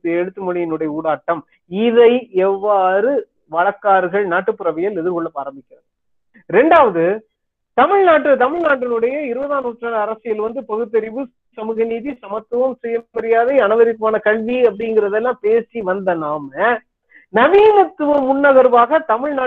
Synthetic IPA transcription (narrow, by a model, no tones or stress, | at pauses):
ɯɛɽɯt̪ːɯmɔɻɪjɪnɯɽɐjɐuːɽaːʈːɐm | ɪðɐɪɛʋːaːɾɯ | ʋɐɻɐkːaːɾɣɐɭnaːʈːɯpːɯɾɐʋɐjɐlɛðɪɾkɔɭːɐpːaːɾɐmbɪkʲːɪɾɐðɯ | ɾɛɳɖaːʋɐðɯ | t̪ɐmɪɻnaːʈrɯt̪ɐmɪɻnaːʈːɪnɯɽɐjɐɪɾɯbɐðaːnuːʈːraːɐɾɐsɪjɐlʋɐnd̪ɯpɐɣɯt̪̬ːɐɾɪʋɯ | sɐmɯɣɐniːðisɐmɐt̪ːɯʋɐmsɪjɐbɐɾɪjaːðɐɪɐnɐʋɐɾɪkːmaːnɐkɐɭʋiɐp̬ːɐɽɪŋɡɪɾɐðɛlːãːpeːsiʋɐnd̪ɐnaːmɐ | nɐʋiːnɐt̪ːɯʋɐmːʊnːɐɣɐɾʋaːɣɐt̪ɐmɪɻnaː